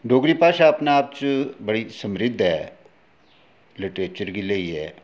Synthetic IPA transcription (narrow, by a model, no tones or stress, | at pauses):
ɖoːɡɽipaːʃaːpnaːp̚t͡ʃbəɽisəmɾɪd̪ʱːɦɛ̰ː | lɪʈɾeːt͡ʃəɾɡiləiɦɛ̰ː